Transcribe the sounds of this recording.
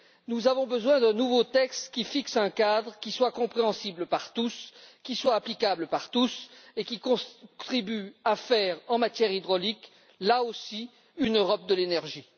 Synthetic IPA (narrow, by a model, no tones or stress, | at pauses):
nuzavɔ̃bəzwɛ̃d̪ɛ̃nuvot̪ɛkst̪kʲifiksɛ̃kad̪ʁkʲiswakɔ̃pχeɑ̃sibləpaʁt̪uskʲiswaːplikabləpaʁt̪usekʲikɔ̃t̪χibyafɛʁɑ̃mat̪jɛʁid̪ʁɔlik | laosi | ynøʁɔp̚d̪əlenɛʁʒi